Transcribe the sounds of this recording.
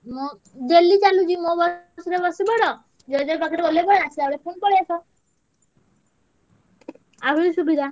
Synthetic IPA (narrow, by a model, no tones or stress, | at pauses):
mo | d͡ʒelit͡ʃalud͡ʒimobɔsɔɾebɔsibɔɽɔ | d͡ʒɔjd̪ɔpɔkʰaɾebolepɔɽeasʰilaɽepʰonpɔɽiasʰɔ | aɦuɾisubid̪ʱa